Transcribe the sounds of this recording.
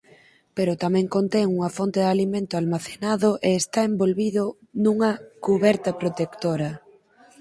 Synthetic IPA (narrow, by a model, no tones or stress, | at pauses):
peɾʊt̪amɛ̃ŋkont̪ɛŋuŋɐfont̪eðalimẽnt̪ʊalmaθenaðʊʔeːst̪aembolβiðo | nuŋɐkuβɛɾt̪ɐpɾot̪ekt̪oɾɐ